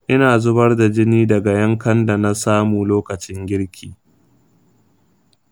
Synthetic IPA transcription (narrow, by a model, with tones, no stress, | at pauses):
ʔɪ˦naː˨zʊ˦bɐ˦rda˨d͡ʒɪ˦niː˦dɐ˨ɡa˨jɐ˦ŋkɐ˦nda˨na˦saː˦muː˨loː˦kɐ˨t͡ʃɪ˦ŋɡʲɪ˦ɽkʲʰiː˨